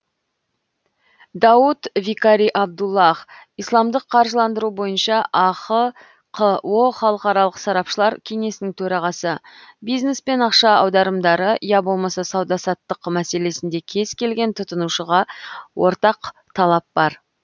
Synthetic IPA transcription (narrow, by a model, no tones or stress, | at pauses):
d̪ɑwut̪vikaɾijʔɑb̚d̪ulˠːɑχijslˠɑmd̪əqʰːɑɾʒəlˠɑnd̪əɾubo̞jənʃɑʔɑqə | qʰəwo̞χɑlˠəqɑɾɑlˠəqsɑɾɑpʃəlˠɑɾkʲʰeŋe̞sɪnɪŋt̪ʰɵɾɑʁɑsəbijzne̞spe̞nɑqʃɑɑwd̪ɑɾəmd̪ɑɾəijɑbo̞lˠmɑsɑsɑwd̪ɑsɑt̪ːəqmæse̞le̞sɪnd̪e̞kʲʰe̞z̥kʲe̞lɡʲe̞nt̪ʰʊt̪ənuʃəʁɑwo̞ɾt̪ɑqt̪ʰɑlˠɑp̚bɑɾ